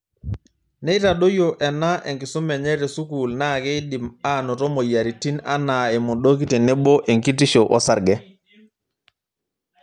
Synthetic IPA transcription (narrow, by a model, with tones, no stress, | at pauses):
nɛ˦i˦ta˨ɗo˦jo˨ʔɛ˨na˦e˨ŋkɪ˨so˦mɛ˨ɲɛ˦ɾe˨su˦ku˨lna˦˨kɛ˦i˦ɗi˨ma˦nɔ˨tɔ˦mo˨ja˨ɾi˨ti˦na˦na˨e˨mo˨ɗo˦ki˦te˨nɛ˦ɓo˦ʔe˨ŋki˦ti˦ʃo˨ʔɔ̰˦sa˦ɾɡɛ˦